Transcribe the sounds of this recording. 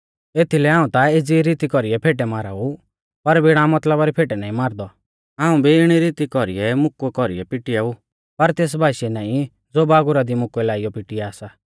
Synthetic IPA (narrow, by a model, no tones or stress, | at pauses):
eːt̪ʰilɛɦãːũt̪aed͡ziɾiːt̪ikɔɾiɛpʰeːʈɛmaːɾa̰ːu | pɐɾbɪɽ̃ãmɐt̪ləbaɾipʰeːʈɛnaːĩmaːɾd̪ɔ | aːũbiɪɽ̃iɾiːt̪ikɔɾḭɛmʊkɛkɔɾḭɛpɪʈɪjau | pɐɾt̪eːs̬bʱaːʃɛnaːĩ | d͡zoːbaːɡʊɾad̪imʊkɛlaːijɔpɪʈijɛaːsa